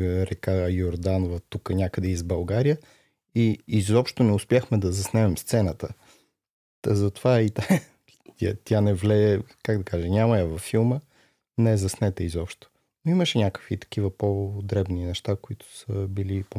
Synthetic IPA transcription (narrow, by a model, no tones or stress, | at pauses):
ɾɛkajoɾd̪anvət̪ukənʲakəd̪ɛizbɐlˠɡaɾijə | iizɔpʃt̪onɛʊspʲjaxmɛd̪ɐzɐsnɛmɛmst̪sɛnət̪ə | əzɐt̪ovait̪a | t̪ʲa̰t̪ʰʲanɛvlɛɛkaɡd̪ɐkaʒɛnʲaməjəvɐfːilˠmə | nɛzɐsnɛt̪əizɔpʃt̪o̥ | noiməʃɛnʲakə̥kvit̪ɐ̥k̟ivəpod̪ɾɛbninɛʃt̪akoit̪ʊ̥səbilipo